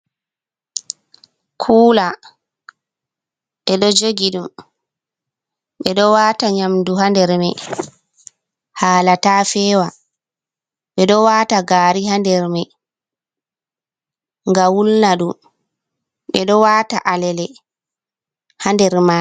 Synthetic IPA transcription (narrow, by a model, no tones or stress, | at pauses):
kʰuːla | ɓɛɗɔd͡ʒoɡiɗum | ɓɛɗɔwaːtaɲamduɦandɛɾmɛ | haːlataːfɛːwa | ɓɛɗɔwaːtaɡaːɾiɦandɛɾmɛ | ŋɡawulnaɗum | ɓɛɗɔwaːta̰ʔalɛlɛ | handɛɾma